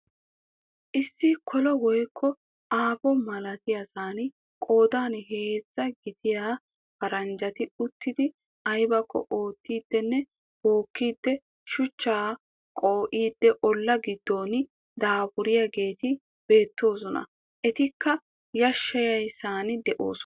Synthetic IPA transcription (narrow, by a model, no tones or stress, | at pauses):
ʔɪsːɪkʰɔlɔwɔjkʰːɔ | aːbɔmɐlɐt̪ɪjɐsaːnɪ | kʼo̞ːd̪aːnɦe̞ːzːɐɡɪd̪ɪjaː | fɐɾɐnd͡ʒɐt̪ɪʊt̪ːɪd̪ɪ | ɐjbɐkʰːɔ̰ʔo̞ːt̪ːiːd̪ːɛnːɛ | bo̞ːkːiːd̪ːɛ | ʃʊt͡ʃːaː | kʼoːʔiːd̪ːɛʔɔlːɐɡɪd̪ːoːn | d̪aːbʊɾɪjaɡe̞ːt̪ɪ | b̥e̞ːt̪ːo̞ːs̬ɔnɐ̰ | ʔɛt̪ɪkːɐ | jɐʃːɐjɐjsaːnd̪ɛʔo̰ːs